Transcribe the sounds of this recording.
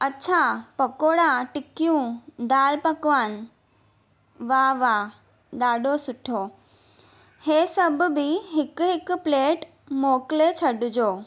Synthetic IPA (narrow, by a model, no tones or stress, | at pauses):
ɐtːt͡ɕʰapɐkoːɽãʈɪkijũd̪aːlpɐkʋaːn̆ | ʋaʋa | ɗaːɗosʊʈʰoː | heːsɐbʱʊ̆bɪɦɪkʊɦɪkpleːʈ | moːkɪlet͡ɕʰɐɗʊd͡ʑoː